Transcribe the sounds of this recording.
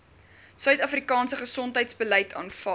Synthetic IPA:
sœɥtɐfrikɑːnsəχəsɔntɦəjtsbəlɛjtʰɑ̰ːnfɐ

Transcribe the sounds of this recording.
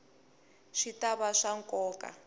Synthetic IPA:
ʃitaβaʂaŋkʼɔːkʼa̰

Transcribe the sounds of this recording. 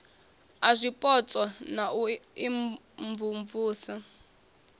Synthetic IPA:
azʷipʼɔt͡sʼɔnauiɱ | ɱvuɱvuːsa

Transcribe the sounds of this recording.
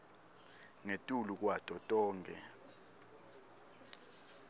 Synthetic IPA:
ŋetʼuluk̬watʼɔtʼɔːŋkʼɛ̰

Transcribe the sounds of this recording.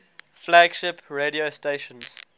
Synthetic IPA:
flæɡʃɪpʰɹeɾiosteʃə̃nz̥

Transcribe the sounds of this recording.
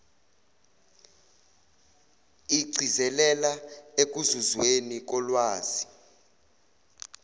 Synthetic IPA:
iɡ͡ǀʱizɛlɛlaek̬uzuzwenik̬ɔlwaːz̥i

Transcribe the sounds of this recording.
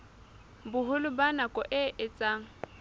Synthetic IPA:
bʊɦʊlʊbanakʼɔʔɪʔɪt͡sʼaːŋ̩

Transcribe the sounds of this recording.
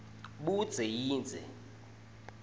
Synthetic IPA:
ɓud̥z̥ʱɛjiːnd͡zʱɛ̰

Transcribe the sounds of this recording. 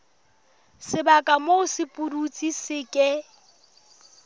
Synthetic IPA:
sɪbakʼamoʊsɪpʼurut͡sʼisɪkʼɛ

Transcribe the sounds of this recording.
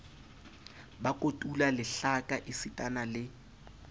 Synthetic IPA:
bakʼotʼulalɪɬakʼaʔɪsɪtʼanalɪ

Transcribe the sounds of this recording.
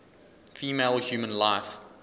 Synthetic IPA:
fiːmeɪlˠhjuːmə̃nlaɪf

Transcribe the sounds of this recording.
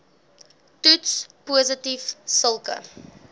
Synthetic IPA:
tutspuəzətifsəlˠkə̰

